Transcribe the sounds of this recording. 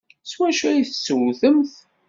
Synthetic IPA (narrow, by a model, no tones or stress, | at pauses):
swæʃæjiθsːəwθəmθ